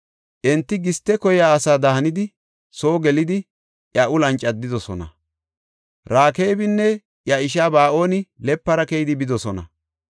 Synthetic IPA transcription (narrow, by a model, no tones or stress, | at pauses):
ʔɛnt̪ːɪɡɪst̪ːɛkɔjaːsaːd̪ɐhɐnɪd̪ɪ | so̞ːɡɛlɪd̪ɪ | ʔjɐʔʊlɐnt͡ʃʼːɐd̪ːɪd̪ɔsɔnɐ̰ | ɾaːke̞ːbɪnːɛ | ʔjɐɪʃ̬aːbaːʔo̞ːnɪlɛpːɐɾɐkɛjɪd̪ɪbɪd̪ɔsɔnɐ̰